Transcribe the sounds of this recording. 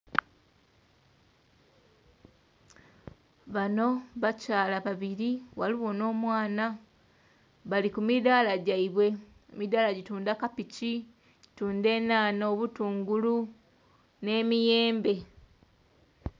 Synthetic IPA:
βano̞βacaːlaβaβiɾiwaliwo̞no̞ːmwaːna | βalikumidaːlaɟaiβwe̞ | emidaːlaɟituːndakapici | ɟituːnde̞ːnaːnoːβutuːŋɡulu | ne̞ːmije̞ːmbe̞

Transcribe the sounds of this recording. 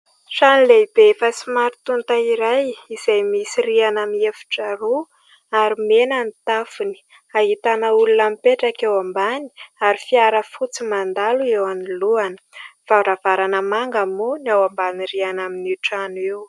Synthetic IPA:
ʂanileib̥efəsimaɾit̪unt̪aiɾajiz̥ajmisirianamiefu̥ʈ͡ʂaɾu | aɾimenanit̪afuni̥ | aɦit̪anəulunamipeʈ͡ʂakewambani̥aɾifiaɾəfut͡simand̪aluewaniluanəv̥aɾavaɾanəmaŋɡamunawambaniɾianaminiʈ͡ʂanuiw

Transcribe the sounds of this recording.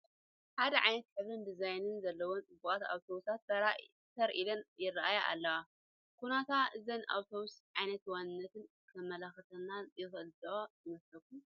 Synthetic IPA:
ħad̪ɐʕajnɐt̪kɨβɨnd̪ɨzajnɨnzɐlːɐwont͡sʼɨbːukʼat̪a̰wt̪ʰowusat̪ | t̪ʰɐɾʔilɐnjɪraʔajaʔa̰lːɐwa | kʰunat̪ʰaʔɨzɐnʔa̰wt̪ʰowusʕajnɐt̪wanɨnːɐt̪ʰɨn | kʰɐmɐlɐxɐt̪ɐnːajɪxɨlzɐojɪmɐslɐk̚ːum

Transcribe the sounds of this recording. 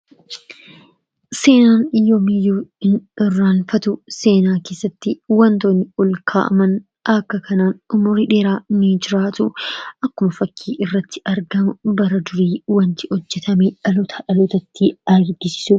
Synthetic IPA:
seːnaːnɪjoːmijuːɪnɪrːaːnfɐt̪ʊse̞ːnaːke̞ːsːɐt̪ːɪwɐnt̪oːnːɪʊlkʰa̰ːʔɐ̰mɐn | ɐkːɐkɐnaːnʊmʊɾɪᶑeːɾaːnid͡ʒɪɾaːt̪ʊʔɐkːʊmɐfɐkʰːiːʔɪrːɐt̪ʰːɪ̥ʔɐɾɡɐmʊbɐɾɐd̪ʊɾiːwɐnt̪ɪ̥hɔd͡ʒːɛt̪ʰɐmeᶑɐlʊt̪ʰɐᶑɐlʊt̪ɐt̪ːɪɐɾɾɡɪsɪ̥sʊ

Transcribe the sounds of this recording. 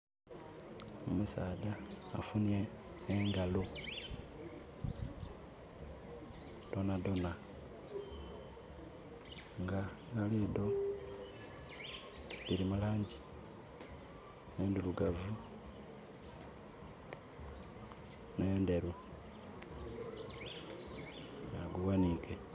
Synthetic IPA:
omusaːda̰ːfuneː | ŋɡalo | d̥o̞nado̞na | ŋɡa | ɡalido̞ | iɾimulaːɲɟi | neːnduluɡavu | nendeɾu | jaɡuwanike

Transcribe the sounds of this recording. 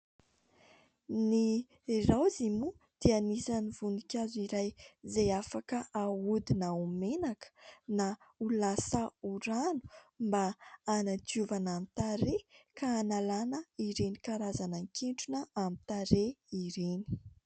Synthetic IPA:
ni | rawzimu | d̪̥ianizanivunikʲaziɾajzejafakəʔaud̪inaumenakə̥naulasəuɾanu̥mbaːnat̪uvanamit̪aɾekaːnalanəiɾenikaɾazanaŋkeɳʈ͡ʂunəamit̪aɾeiɾeni̥

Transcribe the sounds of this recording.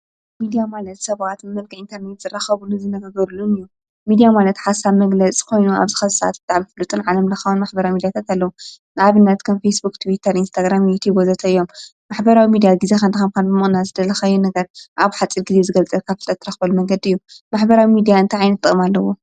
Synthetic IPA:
mid̪ijamalɐt̪sɐβat̪mɨmɐlkʰɨint̪ʰɐɾnet̪z̥ɨraxɐβuluzɨnɐɡaɡɐɾulunɨjːu | mid̪ijamalɐt̪ħasaβmɐɡlɐt͡sʼi̥kʰo̞jnua̰βzɨxɐsa̰t̪̚bɨt̪ʼaʕmifɨlut̪ʼunʕalɐmlɐxawunmaħbɐɾawimid̪jat̪ʰat̪alːɐwu | naβɨnːɐt̪kʰɐmfesbukt̪ʰuwit̪ʰɐɾinst̪ʰaɡɾamjut̪ʰjubozɐt̪ʰɐɨjːo̞m | maħbɐɾawimid̪ijaɡizexɐnd̪ɐxɐmkʰanbɨmɨχʼnazɨd̪ɐlɐxajːunɐɡɐɾʔaβħat͡sʼiɾɡɨzezɨɡɐlt͡sʼɐlkʰafɨ̥t̪ʼɐt̪ʰːɨɾɐxbɐlumɐŋɡɐd̪iɨjːumaħbɐɾawimid̪ijaɨnt̪ʰaʕajnɐt̪ʼːɨ̰kʼmalːɐwo

